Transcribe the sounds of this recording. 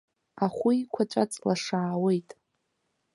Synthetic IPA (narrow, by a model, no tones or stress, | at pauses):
aχʷuikʷʰat͡ʃʷʼat͡sʼlaʂaːwe̞jtʼ